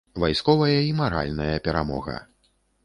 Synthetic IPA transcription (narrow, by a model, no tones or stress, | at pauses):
vajskɔvɐjɐimaɾa̰lʲnɐjɐpʲɛɾamɔ̰ɣɐ̰